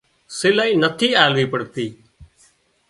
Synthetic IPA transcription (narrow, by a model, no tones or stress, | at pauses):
sɪlaːiːnət̪ʰiːaːlʋiːpəɽt̪iː